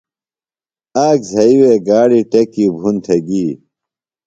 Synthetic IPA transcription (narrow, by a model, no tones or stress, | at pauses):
aːkzʱɐiweɡaːɽiʈɐkiːbʱunt̪ʰeɡiː